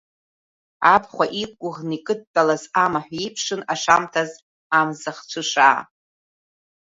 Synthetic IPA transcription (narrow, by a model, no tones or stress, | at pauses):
apʰχʷaʔikʷʼʊʁnikʼɨd̚tʼalazamaħᶣʷipʰʂɨnaʂamtʰaz | amzaχt͡ʃʷʰɨʂaː